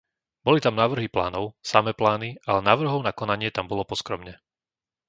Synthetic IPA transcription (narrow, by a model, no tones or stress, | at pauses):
bɔlit̪amnaːʋr̩ɦipla̰ːnɔʊsamɛplaːniʔalɛnaːʋr̩ɦɔʊnakɔnaɲɪɛt̪ambɔlɔpɔskɾɔmɲɛ